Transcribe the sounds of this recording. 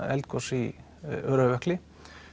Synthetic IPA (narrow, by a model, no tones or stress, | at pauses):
ɛ̰lt̪kʰɔsi | œːɾaʋɛhklɪ